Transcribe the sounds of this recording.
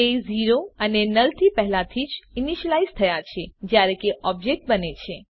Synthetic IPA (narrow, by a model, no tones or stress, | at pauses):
eziɾoənenəlt̪ʰipɛɦlat̪ʰid͡ʒiniʃəlaizt̪ʰəjat͡ʃʰed͡ʒjaɾẽkeʔɔb̚d͡ʒek̚ʈ̚bənet͡ʃʰe